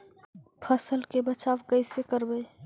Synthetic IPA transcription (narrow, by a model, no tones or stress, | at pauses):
pʰəsəlkebət͡ʃabkəɪsekəɾbə